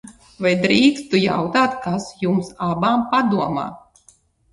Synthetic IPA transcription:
vajd̪ɾiːkst̪uja̰wt̪aːt̪kasjumsabaːmpad̪uɔma̰ː

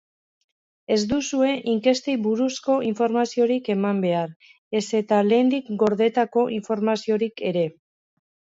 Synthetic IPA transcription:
e̞zd̪usue̞ʔiŋke̞st̪eβuɾusko̞iɱfo̞ɾmasio̞ɾike̞mambe̞aɾ | e̞se̞t̪ale̞ːnd̪ikɡo̞ɾðe̞t̪ako̞ʔiɱfo̞ɾmasio̞ɾike̞ɾe̞

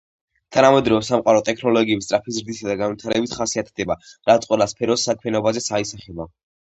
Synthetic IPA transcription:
t̪ʰanamɛd̪ɾɔvɛsamqʼaɾɔt̪ʼɛkʰnɔlɔɡiɛist̪ʼɾapʰizɾd̪isad̪aɡanvit̪ʰaɾɛbit̪ʰχasiat̪ʰd̪ɛbaɾatt̪sʼqʼwɛlˠaspʰɛɾɔsːakʰmɛnɔbazɛsaisaχɛla

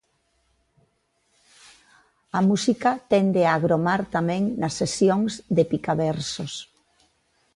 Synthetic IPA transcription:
amusikat̪ɛnd̪eaɣɾomaɾt̪amɛ̃ŋnɐsːesjoŋzðepikaβɛɾsos

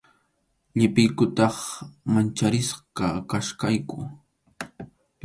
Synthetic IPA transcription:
ʎɪpɪjkʊt̪ɑχmant͡ʃaɾɪsqɑkaʃkajkʊ

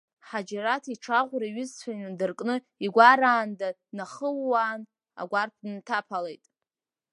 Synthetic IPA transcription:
ħad͡ʒaɾatʰiʈ͡ʂʰaʁʷɾaɥɪzt͡sʷʰajnɨdɨrkʼnɨ | iɡʷaɾaːnda | naχəlːaːn | a̰ɡʷarpʰdɨntʰapʰalejtʼ

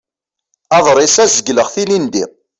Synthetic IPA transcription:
ɑðˤɾˤɪsæzəɡləʁθinind̪ḭ

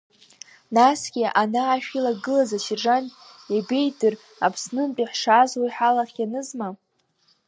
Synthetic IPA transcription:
nasɡʲiʔanaːʃᶣilaɡɨlazaʃiʐantʼ | jabe̞jdɨr | a̰pʰsnɨnpʼiħʂazwajħalaχʲjanɨzma

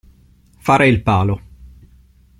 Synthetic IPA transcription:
faːɾeilpaːlo

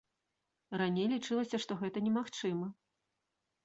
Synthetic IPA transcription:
ranʲejlʲit͡ʂɨlˠɐsʲɐʂt̪ɔɣɛt̪ɐnʲɛmaxt͡ʂɨmɐ

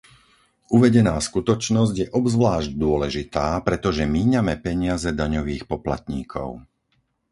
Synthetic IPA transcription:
uʋɛɟɛnaːskut̪ɔt͡ʃnɔzɟjɛʔɔbzʋlaːʒɟd̪ʊɔlɛʒit̪aːpɾɛt̪ɔʒɛmiːɲamɛpɛɲɪazɛd̪aɲɔʋiːxpɔpla̰t̪ɲiːkʰɔ̰ʊ

